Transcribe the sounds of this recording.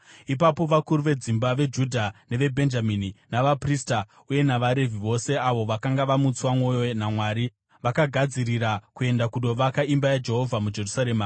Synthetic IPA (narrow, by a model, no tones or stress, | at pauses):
ip̬apo̞ʋakuɾuʋe̞d͡zimbaʋe̞d͡ʒudʱane̞ʋe̞bʱe̞nd͡ʒamininaʋaprista | uje̞naʋaɾe̞vʱiʋo̞se̞aʋo̞ʋakaŋɡaʋamut͡swamo̞jonamwaːɾi | ʋakaɡʱad͡ziɾiɾakue̞ndakuɗo̞ʋakaimbajad͡ʒe̞ɦo̞vʱamud͡ʒe̞rusaɾe̞ːma